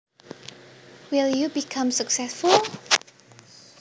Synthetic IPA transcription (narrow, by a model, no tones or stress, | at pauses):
wiljubikʰãmsəksɛsfulˠ